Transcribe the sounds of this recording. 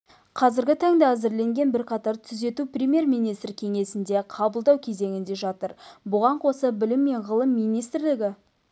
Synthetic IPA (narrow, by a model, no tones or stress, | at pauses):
qʰɑzɪɾɡʲɪt̪ʰɑŋd̪ɑæzɪɾle̞ŋɡʲe̞nbɪɾqʰɑt̪ɑɾt̪ʰʏze̞t̪uprʲemʲje̞ɾmijnijst̪rkʲʰe̞ŋe̞sɪnd̪e̞qʰɑbəlˠd̪ɑwkʲʰe̞ze̞ŋɪnd̪e̞ʒɑt̪əɾbʊʁɑɴqʰo̞səbɪlɪmːe̞ɴʁəlˠəmːijnijst̪ɾlɪɡʲɪ